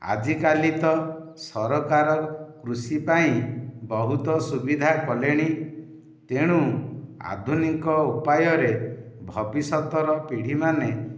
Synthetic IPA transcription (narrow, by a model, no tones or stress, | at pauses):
a̰d͡ʒikalit̪ɔsɔɾɔkaɾɔkɾusipaĩbɔɦut̪ɔsubid̪ʱakɔleɽ̃i | t̪eɽ̃ũa̰d̪ʱunikɔupajɔɾe | bʱɔbisɔt̪ɔɾɔpiɽ̤imane